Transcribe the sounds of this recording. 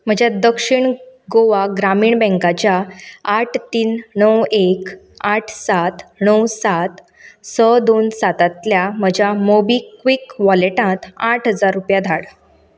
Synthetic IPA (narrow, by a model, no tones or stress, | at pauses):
m̤əd͡ʑjad̪əkʂiɳɡoʋaɡɾamiːɳbɛ̃ŋkat͡ɕjaː | ʈʰt̪iːnnəwekaʈʰsat̪ɳəwsat̪ | səd̪onsat̪ãt̪ljam̤əd͡ʑʱjamobiːkʋikʋɔleʈãt̪aʈʰɦəd͡zaɾːupjad̪ʱaɽ